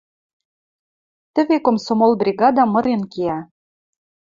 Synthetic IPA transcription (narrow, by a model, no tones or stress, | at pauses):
t̪əɘ̆βekomsomolbrʲiɣɑd̪ɑmɤ̆ɾenkeæ